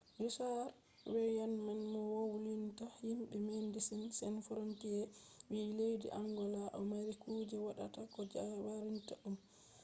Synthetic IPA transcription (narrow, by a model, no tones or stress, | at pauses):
misaɾ | wɛjanmanmɔwowulintahimɓɛmendisɛnsɛnfɾonkijɛwilejdḭʔaŋɡɔlaʔɔmaɾikud͡ʒɛwaɗa̰takɔd͡ʒawaɾintaʔum